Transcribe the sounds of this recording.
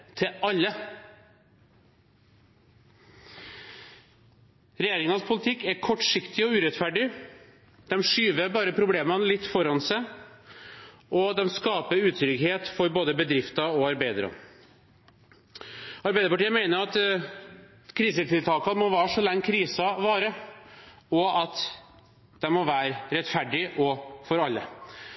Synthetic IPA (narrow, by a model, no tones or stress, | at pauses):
t̪ʰɪɑlːə | ɾɛjeːɾɪŋɑəspʰʊlɪt̪ʰɪkːæɾkʰɔʈːʂɪkt̪ɪɔʉːɾɛt̪fæɖɪ | d̪ɛmʂyːʋəbɑːɾəpʰɾʊbleːmɑnlɪt̪ːfɔɾɑnsæɪ | ʔɔd̪ɛmskɑːpəɾʉːt̪ʰɾʏɡheːt̪fɔɾboːd̪əbəd̪ɾɪft̪ɑɔɑɾbæɪd̪ɾɑ̰n | ɑɾbæɪd̪əɾpɑʈiːəmæɪnəɾɑt̪ | kʰɾiːsət̪ʰɪlt̪ʰɑːkɑmɔʋɑːʂɔlɛŋːkʰɾiːsɑʋɑːɾə | ɔɑt̪ | d̪̥ɛmɔʋæːɾəɾɛt̪fæɖɪʔɔfɔɾɑlːə̰